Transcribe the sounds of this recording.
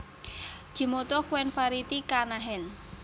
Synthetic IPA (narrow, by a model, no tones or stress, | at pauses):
d̥ʒ̥i̤mot̪ɔkuwɛnpaɾit̪ikanaɦɛl